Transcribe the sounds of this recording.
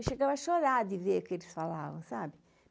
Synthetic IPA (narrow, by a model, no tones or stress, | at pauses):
ʃeɡavɐʃoɾad̪ɪveɾkelisfalavɐ̰̃w̃sabɪ